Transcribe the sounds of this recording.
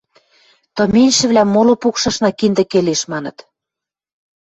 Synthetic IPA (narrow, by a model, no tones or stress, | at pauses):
t̪ɤ̆menʲʃɘ̆βlæmːolopukʃɑ̆ʃnɑkind̪ɘ̆keleʃmɑnɤ̆t̪